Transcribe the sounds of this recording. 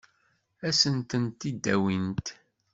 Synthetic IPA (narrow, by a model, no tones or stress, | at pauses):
æsənt̪ənt̪id̪ːæwint̪